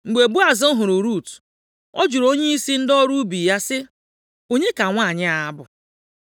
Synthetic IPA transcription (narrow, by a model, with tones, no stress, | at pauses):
ŋ͡m̩˨ɡ͡be˨bu˦a˨zɪ˦ɦʊ˨ɾʊ˨ɾu˦˨t | ɔ̰˦d͡ʒu˨ɾo˦ɲe˦i˦si˦n̩˦dɔ˦ɾu˦bi˨ja˦sɪ˦ | o˦ɲe˦ka˨ŋʷaː˦˨ɲɪ˦a˦bʊ˨